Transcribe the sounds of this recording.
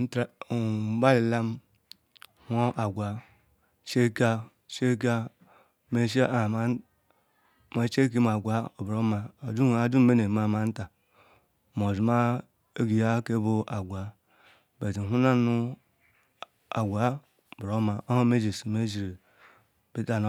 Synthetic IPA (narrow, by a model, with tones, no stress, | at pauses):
n̩˦tɾba˦li˨la˦m˦ | hʷo˦ʔa˨ɡʷa˨ | ʃe˦ka˦ | ʃe˦k̬a˦ | me˦ʃ̬e˦˨m˨˦ | ma˨˦t͡ʃe˦k̬e˦m˨a˨ɡʷa˨o˨bɾo˦ma˨o˨du˦˨˦a˨˦du˦m˦me˦ne˨ma˨ma˨n̩˦ta˨ | m˨o˨zu˨ma˦ | e˦ɡi˨ja˦ke˦bo˦ʔa˨ɡʷa˨ | be˨ti˨ɦu˦na˦nu˦ | a̰˨ɡʷa˨˦˨ | bɾo˦ma˨ʔo˦ho˦me˦d͡ʒi˨si˨me˦zi˨ɾe˨ | b̥i˦ta˦n˦